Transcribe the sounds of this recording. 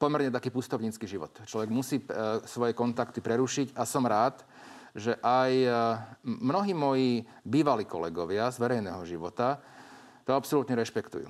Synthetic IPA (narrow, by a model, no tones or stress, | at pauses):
pɔmɛɾɲɛt̪akiːpust̪ɔʊɲiːt͡skiːʒiʋɔ̰t̪t͡ʃlɔʋɛɡmusiːsʋɔjɛkɔnt̪akt̪ipɾɛɾuʃiɟasɔmɾaːt̪ | ʒɛʔaj | mnɔɦiːmɔjiː | biːʋaliːkɔ̰lɛɡɔʋɪazʋɛɾɛjnɛːɦɔʒiʋɔt̪a | t̪ɔapsɔlut̪ɲɛɾɛʃpɛkt̪ṵjṵː